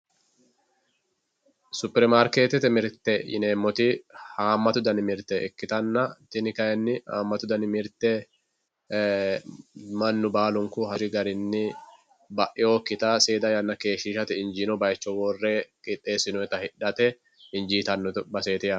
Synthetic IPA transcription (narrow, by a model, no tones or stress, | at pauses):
sʊpɛɾmaːɾkeːt̪ɛt̪ɛmɪɾt̪ɛjɪ̰neːmːɔt̪ihaːmːɐt̪ʊd̪ɐnɪmɪɾt̪ɛʔɛ̰kːɪt̪ɐnːɐt̪ɪnɪkɐjɛnːɪhaːmːɐt̪ʊd̪ɐnɪmɪɾt̪ɛ | mɐnːʊbaːlʊŋkʊhɐɾɪɡɐɾɪnːɪ | bɐʔɪoːkːɪt̪aːseːd̪ɐjɐnːɐke̞ːʃiːʃɐt̪ɪɪnd͡ʒiːnɔbɐjt͡ʃːɔwɔrːeːkʼɪt̪ʼːe̞ːsɪnʊɛt̪ɐhɪᶑɐt̪ɛ | ɪnd͡ʒiːt̪ɐnːɔbɐseːt̪ɪjɐ